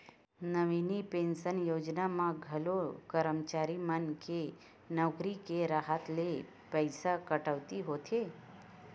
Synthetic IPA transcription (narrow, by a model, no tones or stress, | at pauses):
nəʋinipẽnʃənjoːd͡ʒnamãɡʱəlokəɾəmt͡ʃaɾimənke | nɔːkɾikeɾaɦət̪le | pəjsakəʈəʋt̪iɦot̪ʰe